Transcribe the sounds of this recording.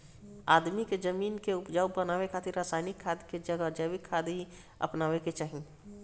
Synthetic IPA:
aːd̪miked͡ʒəmiːnkeʊpd͡ʒawbənaːwekʰat̪ɪɾːaːsaːɪnikʰːad̪ked͡ʒəɡəd͡ʒəʋikʰːad̪ɦi | ə̰pnaːʋeket͡ʃaːɦĩ

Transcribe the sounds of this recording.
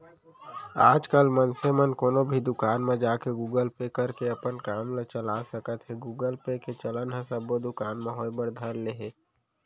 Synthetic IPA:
a̰ːd͡ʒkəlmənsemənkoːnobʱid̪ʊkaːnmẽd͡ʒaːkeɡuːɡəlpekəɾkeɐpənkaːmlet͡ʃəlasəkət̪ɦɛɡuːɡəlpeket͡ʃələnɦə̃səbːod̪ʊkaːnmẽɦoːjbəɾd̪ʱəɾleɦeː

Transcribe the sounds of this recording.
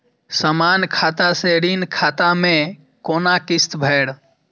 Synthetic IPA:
səmaːnkʰaːt̪aseɾinkʰaːt̪amẽ | koːnakɪst̪bʱɛːɽ

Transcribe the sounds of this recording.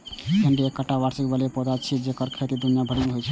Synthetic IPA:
kenɖiekːəʈːabaɾsikbəliepɔd̪at͡ʃʰid͡ʒekəɾkʰət̪id̪unijabʱəɽmeɦojt͡ʃʰ

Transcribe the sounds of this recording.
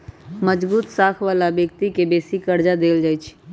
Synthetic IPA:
məd͡ʒbuːt̪saːkʰʋaːlabjək̚t̪ikebeːsikəɾd͡ʒad̪eːld͡ʒaːjt͡ʃʰ

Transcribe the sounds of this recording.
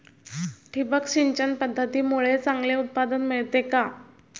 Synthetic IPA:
ʈʰipəkɕiɲt͡ɕənpəd̪ʱːət̪iːmuɭet͡saŋɡleut̪̚pad̪ənmiɭt̪eka

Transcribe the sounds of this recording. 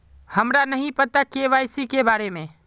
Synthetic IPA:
həmɾanəɦĩpət̪akeʋaːɪsikebaːɾemẽː

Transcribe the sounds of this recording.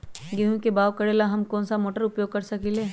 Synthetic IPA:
ɡeɦũkebaːwkɐɽeːlaɦɐmkɔ̃ːnsamoːʈəɾʊpjoːɡ̚kɐɾsɐkiːleː

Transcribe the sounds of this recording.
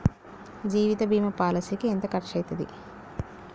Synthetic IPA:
d͡ʒiːʋit̪ɐbʱiːmɐpaːlɐsikient̪ɐkɐʈʂɐjt̪ɐd̪ḭ

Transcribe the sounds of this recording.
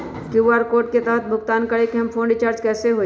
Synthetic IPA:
kjuːʋaːɾkoːɾʈ̚ket̪ɛːɦət̪̚bʱʊɡt̪aːnkɐɽekɦɐmpʰõːɳɖɪt͡ʃaːɾd͡ʒkɛːseɦoː

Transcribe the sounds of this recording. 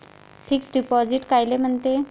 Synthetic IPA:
fʰiːksɖipɔd͡ziʈkajlem̤əɳt̪e

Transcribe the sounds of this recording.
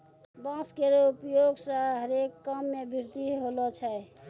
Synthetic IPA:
bãskeɾoupjoɡsə̃ɦəɾekːəmːebʱiɾt̪iɦolɔt͡ʃʰɛj

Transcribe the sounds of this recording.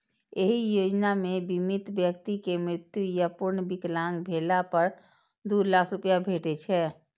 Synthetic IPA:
eɦijod͡ʒnamebimit̪bjəkt̪ikemɾɪt̪jujəpuɾnbiklaŋɡbʱelapəɾ | d̪ulakʰɾupjabʱeʈɛt͡ʃʰɛ

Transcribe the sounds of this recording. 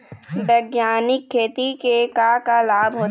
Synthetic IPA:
bɛːɡjaːnɪkʰːeːt̪ikekakalaːbɦoː

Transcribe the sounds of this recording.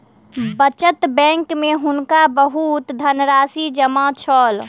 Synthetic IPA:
bət͡ʃət̪bɛ̃ŋkmeɦunkabəɦut̪d̪ʱənɾasid͡ʒəmat͡ʃʰɔl

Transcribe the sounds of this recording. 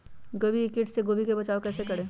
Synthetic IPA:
ɡobiɪkɪʈseɡoːbikebɐt͡ʃaːokɛːsekɐɽẽː

